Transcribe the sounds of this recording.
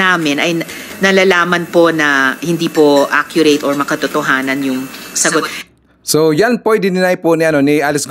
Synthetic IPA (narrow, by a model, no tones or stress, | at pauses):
aːmɪnɐj | nɐlalaːmɐnponɐhɪnd̪iːpoʔakjʊɾɛt̪ɔɹmɐkɐt̪ʊt̪oɦaːnɐnjʊŋsɐɡot̪̚ | sojanpojd̪ɪnɪnajponɪʔɐno̞nɪʔalɛsɡ